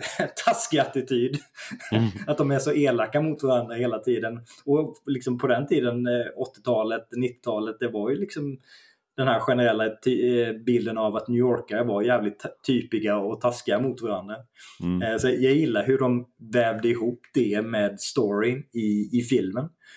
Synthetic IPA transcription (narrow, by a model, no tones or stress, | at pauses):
t̪ʰaskɪat̪ɪt̪ʰyːd̪ | at̪̚d̪ɔmɛʂɔʔeːlakːamʊt̪vaɾand̪ɾaheːlat̪ʰiːd̪ənɔlɪksɔmpʰɔd̪ɛnt̪ʰiːd̪ənɔt̪ːɪ̥t̪ʰɑːlət̪nɪt̪ːɪ̥t̪ʰɑːlət̪̚d̪ɛvaɾjɵlɪksɔm | d̪̥ɛnhæɾɧɛnəɾɛlːat̪ʰybɪld̪ənavat̪njʉɔːɾkaɾəvaɾjæːvlɪt̪ʰːyːpɪɡaɔt̪ʰaskɪamʊt̪vaɾand̪ɾa | sɔjɑjɪlːaɾɦɵɖɔmvɛːvd̪əɪɦuːpd̪ɛmɛːd̪st̪ɔɾɪɪːfɪlmən